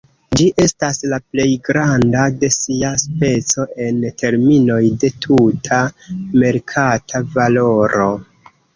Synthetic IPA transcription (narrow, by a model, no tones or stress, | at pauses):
d͡ʒiʔe̞staslaple̞jɡɾandade̞siaspe̞t͡so̞ʔe̞ntʰe̞ɾmino̞jde̞tʰutʰame̞ɾkʰatʰavalo̞ɾo̞